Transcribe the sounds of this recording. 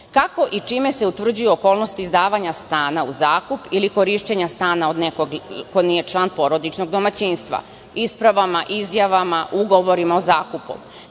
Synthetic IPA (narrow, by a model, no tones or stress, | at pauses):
kako̞ʔit͡ʃiːme̞se̞ut̪ʋr̩d͡ʑujuoko̞ːlˠno̞st̪izd̪aːʋaɲast̪aːnauzaːkupiliko̞ɾiʃt͡ɕeɲast̪aːnaod̪nekoɡko̞niːje̞t͡ʃlˠaːnpo̞ɾo̞d̪it͡ʃno̞ɡd̪o̞mat͡ɕiːnst̪ʋa̰ | ispɾaʋamaʔizjaʋamaʔuɡoʋoɾimaozaːkupṵ